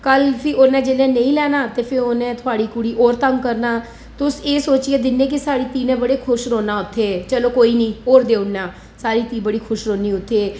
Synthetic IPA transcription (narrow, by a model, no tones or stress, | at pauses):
kəlpʰɪʔoːnɛ̃ːd͡ʒeːlẽːnəĩːlɛːnaːt̪eːpʰɪɾoːnɛ̃ːt̪ʰʊaːɽiːkʊɽiːʔoːɾt̪əŋɡkəɾnaː | t̪ʊseːsoːt͡ʃieːd̪ɪnːẽːk̬ɪsaːɽiːt̪iːnẽːbəɽeːkʰʊʃɾoːnaːʊt̪ʰːeːt͡ʃəloːkoːiːnĩːoːɾd̪eːʊnːaː | saːɾiːt̪iːbəɽiːkʰʊʃɾoːniːʊt̪ʰːeː